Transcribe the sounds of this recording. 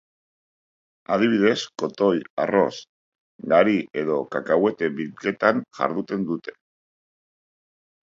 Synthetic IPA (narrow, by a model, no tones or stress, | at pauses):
að̞iβ̞iðe̞sko̞t̪o̞ja̰ro̞s | ɡaɾie̞ðo̞kakawe̞t̪e̞βilke̞t̪aŋʝa̰ɾð̞ut̪e̞nd̪ut̪e̞̥